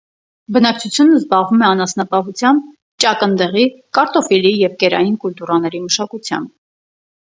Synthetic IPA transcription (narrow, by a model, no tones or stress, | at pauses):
bənɑk̚t͡sʰut͡sʰjunəzbɑʁvumɛɑnɑsnɑpɑɦut͡sʰjɑmb̚ | t͡ʃɑkənd̪ɛʁikɑɾt̪ɔfilijɛvkɛɾɑ̰jinkult̪uɾɑnɛɾiməʃɑkut͡sʰjɑ̰mb